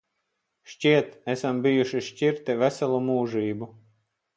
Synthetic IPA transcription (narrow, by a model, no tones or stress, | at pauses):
ʃt͡ʃʲiɛt̪ɛsambijuʃiʃt͡ɕʲiɾt̪ivʲæsɛlˠumuːʒiːbu